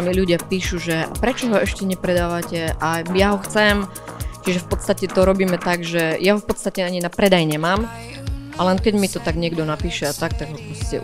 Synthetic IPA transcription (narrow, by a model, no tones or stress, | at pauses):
miluɟɪapiːʃuʒɛapɾɛt͡ʃɔɦɔɛʃcɛɲɛpɾɛd̪aːʋacɛʔajaɦɔxt͡sɛm | t͡ʃiʒɛfpɔt̪st̪acɛt̪ɔɾɔbiːmɛt̪aɡʒɛjaɦɔfpɔt̪st̪acɛaɲinapɾɛd̪ajɲɛmaːm | ʔalɛnkɛɟmit̪ɔt̪aɡɲɪɛɡd̪ɔnapiːʃɛat̪ak̚t̪aɡɦɔpɾɔscɛ̰